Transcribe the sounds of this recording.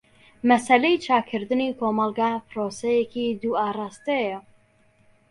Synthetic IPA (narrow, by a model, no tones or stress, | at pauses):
mɐsɐlejt͡ʃʰaːkʰɨɾd̪ɨniːkʰoːmɑlˠɡapɨɾosejekid̪uːaːrɑːst̪ejɐ